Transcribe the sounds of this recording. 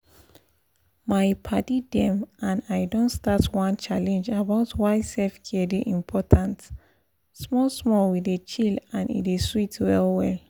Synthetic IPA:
maɪpʰatidɛ̃mʔãnaɪdɔ̃ntstatwãnt͡ʃalɛ̃nd͡ʒabaʊtwaɪsɛfkʰɛdiʔĩmpʰɔtʰãnt | smɔlsmɔlwiðet͡ʃilãnḭ̃ndeswitwɛlwɛl

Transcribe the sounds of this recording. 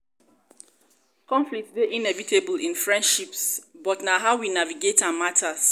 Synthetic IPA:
kɔ̃ɱflik̚tdeʔinɛvitʰebəlĩnfɹɛ̃ndʃipsbɔtnaɦaʊwinaviɡetãmatʰas

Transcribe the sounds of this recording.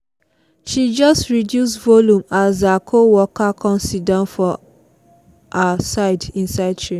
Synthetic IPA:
ʃid͡ʒɔstɹidjusvoljũmazakʰowɔkʰakʰɔ̃nsidãʊ̃nfɔ | asaɪdĩnsaɪd̚tʰɹẽn

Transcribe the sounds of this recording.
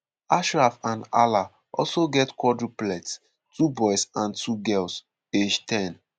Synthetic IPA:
aʃɹafãna̰la | ʔɔ̰lsoɡɛtkwɔdɹiplɛts | tubɔɪsãntʰuɡɛls | ed͡ʒtʰɛ̃n

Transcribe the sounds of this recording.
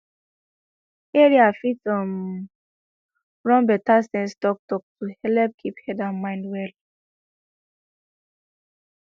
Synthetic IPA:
eɹiafitɔm | ɹɔ̃nbɛtastɛ̃nstɔk̚tɔk̚tuhɛlɛp̚kʰiphɛdãnmãɪ̃ndwɛl

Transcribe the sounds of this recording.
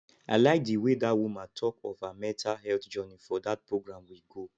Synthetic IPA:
a̰laɪk̚diwedatwũmatʰɔkɔfamɛtʰahɛltd͡ʒɔnĩfɔdat̚pɹoɡɹãmwiɡo

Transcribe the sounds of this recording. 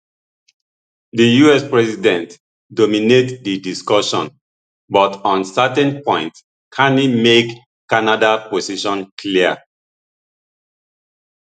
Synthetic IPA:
ðijuɛspɹɛsidɛ̃nt | dominetdidiskɔʃɔ̰̃n | bɔtɔ̃nsɛtɛ̃npɔ̃ɪ̃nt | kʰãnimek | kːanadaposiʃɔ̃nkʰliə

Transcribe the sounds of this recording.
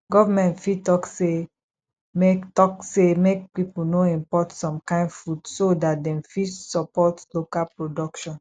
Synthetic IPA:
ɡɔvamɛ̃ntfitɔkse | mektɔksemek̚pipulnoĩmpɔtsɔ̃mkãɪ̃nfudsodat̚dɛ̃mfisɔpɔtlokalpɹodɔkʃɔ̃n

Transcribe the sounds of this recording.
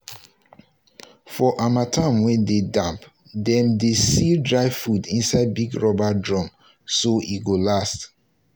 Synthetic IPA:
fɔʔamatʰãmwɛ̃ndedãmp | dɛ̃mdesidɹaɪfudĩnsaɪd̚biɡɹɔbadɹɔ̃m | soiɡolast

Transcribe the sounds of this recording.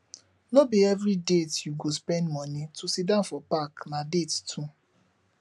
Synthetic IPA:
nobiɛvɾidetjuɡospɛ̃ndmɔ̃nĩtʰusidãfɔpaknãdettʰu

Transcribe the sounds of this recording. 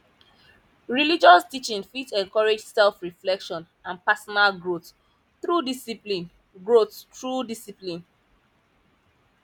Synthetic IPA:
ɹilid͡ʒɔstit͡ʃĩnfitɛ̃ŋkɔɹed͡ʒsɛlfɹiflɛkʃɔ̃n | ãnpasɔnalɡɹot | θɹudisiplĩn | ɡɹottʰɹudisiplĩn

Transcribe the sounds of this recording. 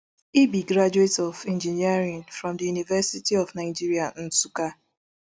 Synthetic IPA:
ibiɡɾad͡ʒuetɔvɛ̃nd͡ʒiniaɾĩnfɾɔ̃mdəjunivɛsitiɔvnaɪd͡ʒiɾian̩suka

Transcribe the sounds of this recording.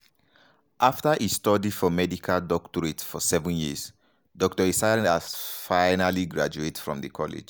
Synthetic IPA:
ʔaftaʔistɔdifɔmɛdikʰaldɔktɔɹetfɔsɛvə̃njis | dɔk̚tɔisaafaɪnaliɡɹa̰d͡ʒuetfɹɔ̰̃mðəkʰɔlɪ̰d͡ʒ

